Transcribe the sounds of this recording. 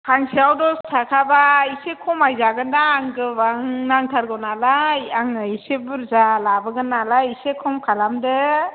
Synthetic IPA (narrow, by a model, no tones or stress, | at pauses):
kʰaŋsiawdɔstʰakʰabaisekʰɔmajzaɡɯndaːŋɡɯbaŋnaŋtʰaɾɡɔwnalajaŋɯisebuɾzalabɯɡɯnalaisekʰɔmkʰalamdɯ